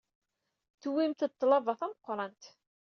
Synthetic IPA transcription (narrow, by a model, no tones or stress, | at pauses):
θwimt̪t̪ˤːlɑvɑθæməqːɾˤɑnt̪